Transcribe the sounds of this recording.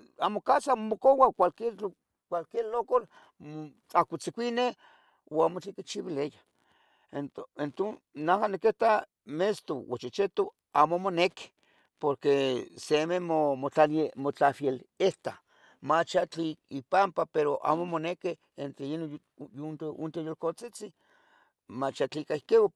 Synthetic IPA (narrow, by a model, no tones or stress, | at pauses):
amokasammokowakʷalket͡ɬ | kʷalkelokol | t͡ɬakʷit͡sikʷine | oamot͡ɬikit͡ʃiwileja | ent̪ent̪o | nahanekeht̪a | mest̪owo̰t͡ʃit͡ʃet̪o | amomoneke̥ | poɾkesememomot͡ɬalemot͡ɬafjeleht̪a | mat͡ʃat͡ɬiipampapeɾoʔa̰momoneke | ent̪ɾeino | junt̪unt̪ojolkot͡sit͡si | mat͡ʃat͡ɬikaikewa